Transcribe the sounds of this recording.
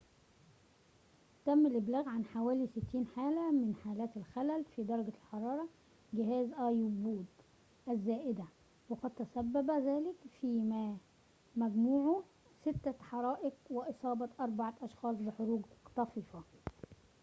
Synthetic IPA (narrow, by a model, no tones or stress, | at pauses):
t̪æmːælʔɪblæːɣʕanħawæːlisɪt̪ːiːnħaːlæmɪnħaːlæːt̪ælxælælfiːd̪ɑɾˤɑɡælħɑɾˤɑːɾˤɑ | ɡɪɦæːzʔɑːjubuːd̪ | ʔæzːæːʔɪd̪æ | wɑqɑd̪̚t̪æsæbːæbæzæːlɪkfiːmæ | mæɡmuːʕo | sɪt̪ːæħɑɾˤɑːʔɪqwɪʔɨsˤɑːbɑʔɑɾˤbaʕɑʔɑʃxɑːs̬ˤbɪħoɾuːɡt̪ˤɑfiːfɑ